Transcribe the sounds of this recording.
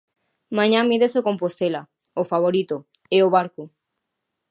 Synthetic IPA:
mãɲãmiðesokompost̪ela | ofaβoɾit̪oeoβaɾko

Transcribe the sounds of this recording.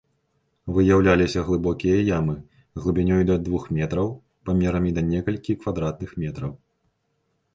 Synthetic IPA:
vɨjawlʲalʲisʲɐɣlˠɨbɔkʲijɐjamɨ | ɣlˠɨbʲinʲɔjd̪ɐd̪vuxmʲɛt̪ɾɐw | pamʲɛɾɐmʲid̪ɐnʲɛkɐlʲkʲikvad̪ɾat̪̚nɨxmʲɛt̪ɾɐw

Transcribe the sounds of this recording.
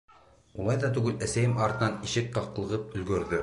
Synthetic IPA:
ulˠɑjðɑt̪ʉɡɘlæsæjɘmɑɾt̪ɤ̆nɑniɕɘk̚qɑq̆lˠɤ̆ʁɤp̚ɵ̆lɡɵ̆ɾðɵ

